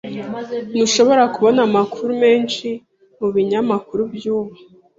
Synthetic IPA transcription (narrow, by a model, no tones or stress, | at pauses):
nuʃo̞βo̞ɾakuβo̞namakuɾume̞ːnʃi | muβiɲamakuɾubjuːβa